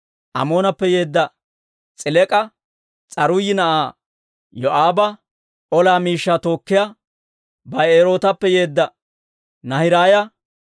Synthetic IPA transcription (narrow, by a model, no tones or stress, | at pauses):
ʔɐ̰mo̞ːnɐpːɛje̞ːd̪ːɐ | t͡sʼɪlɛkʼɐ | t͡sʼɐɾʊjɪnɐʔaː | jɔʔaːbɐ | ʔɔlaːmiːʃːaːt̪o̞ːkːɪja | bɐjeːɾo̞ːt̪ɐpːɛjeːd̪ːɐ | nɐhɪɾaːjɐ